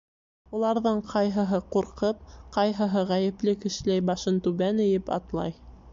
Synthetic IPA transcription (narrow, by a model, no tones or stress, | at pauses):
ulˠɑɾðɤɴqʰɑjɦɤ̆ɦɤquɾqɤp̚qɑjɦɤ̆ɦɤʁæjɘ̆plɘkɘ̆ʃlæjbɑʃɤnt̪ʉβænɘ̆jɘpɑ̰t̪lˠɑ̰j